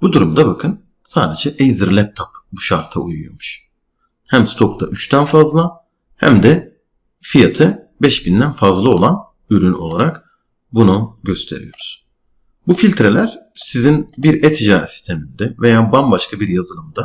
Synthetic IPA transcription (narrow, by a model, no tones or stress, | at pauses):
b̥ud̪uɾumd̪abakʰɯn | saːd̪e̞d͡ʒɛʔejziɾlʲɛp̚t̪ʰapbuʃaɾt̪ʰa̰ujujomuʃ | hæmst̪ʰo̞kd̪ʰaʔyt͡ʃt̪ʰænfazlˠa | hæ̰md̪ɛ | fijat̪ʰɯ | bɛʃbind̪ænfazlˠɯo̞lˠan | yɾyno̞lˠaɾak | bunuɟø̞st̪ʰe̞ɾḭjo̞̰ɾuz̥ | bufilʲt̪ʰɾe̞lʲæɾ̥sizinbiɾɛt̪ʰiʒaːsi̥st̪ʰe̞mind̪ɛve̞jaːbanbaʃkʰabiɾjazɯlˠɯmd̪a